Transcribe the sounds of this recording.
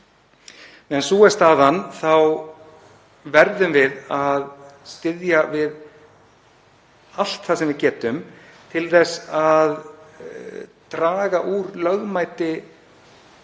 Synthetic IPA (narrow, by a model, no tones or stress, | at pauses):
ɛnsuːɛst̪aːðanθaw | vɛɾðʏmvɪðaðst̪ɪðjavɪð | al̥t̪θasɛmvɪðcɛːt̪ʏm | t̪ʰɪlθɛsað | t̪ɾaːɣaʔuɾlœɣmaːjt̪ɪ